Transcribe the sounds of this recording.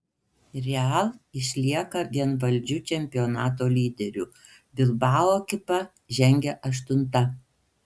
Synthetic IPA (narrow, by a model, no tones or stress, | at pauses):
ɾʲɛɐlˠɪʃʲlʲiɛkɐɡʲɛnʋɐlʲˑd͡ʒʲʊt͡ʃʲɛmʲpʲɪjɔnɑːt̪oːlʲiːd̪ʲɛɾʲʊ | bʲɪlˠbɑːlˠoːkʲɪpɐ | ʒʲɛŋʲɡʲɛʔɐʃt̪ʊnt̪ɐ